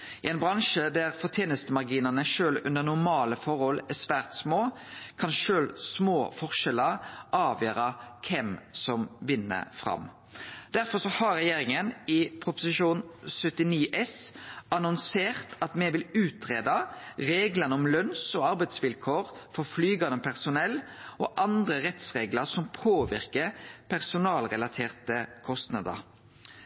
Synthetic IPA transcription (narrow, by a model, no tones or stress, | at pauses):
ɪɛɪnbʁɑŋʃəd̪æʁfɔʁt̪ʰjeːnəst̪əmɑʁɡiːnɑnəʃøːlʉnd̪əʁnʊmɑːləfɔʁhɔlæsʋæʁt̪smoː | kʰɑnʃøːlsmoːfɔʁʂɛləʔɑːʋjøːɾɑkʰɛmsɔmʋɪnːə̰fɾɑ̰m | d̪̥æɾfɔsɔhɑʁɛjeːɾɪŋənɪpʰɾʊpʊsɪʃuːnsœt̪ɪniːʔɛsɑnʊnseːʁt̪ɑt̪mɛʋɪlʉːt̪ʰɾeːd̪ɑɾeːɡlɑnəɔmlœnsɔɑɾbɛɪd̪sʋɪlkʰoːʁfɔʁflyːɡɑnəmpʰæʁsʊnɛlɔʔɑnd̪ʁəʁɛt̪sʁeːɡləɾsɔmpʰoːʋɪʁkəpʰæʁsʊnɑːlʁɛlɑt̪ʰeːʁt̪əkʰɔst̪nɑd̪ə̰ɾ